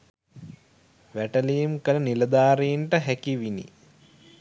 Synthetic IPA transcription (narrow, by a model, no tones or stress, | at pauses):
ʋæʈəlijumkələnilɐd̪aːɾiɳʈəɦækiʋinḭ